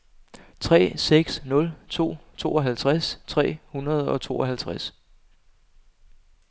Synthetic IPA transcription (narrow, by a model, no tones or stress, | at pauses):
t͡sʰʁɛ̰ːseɡ̥snɔ̽lt͡sʰo̝̰ːt͡sʰo̝̰ːɒ̽ɦælt͡sʰʁast͡sʰʁɛ̰ːhunɐð̞̩ˠɒ̽t͡sʰo̝̰ːɒhælt͡sʰʁas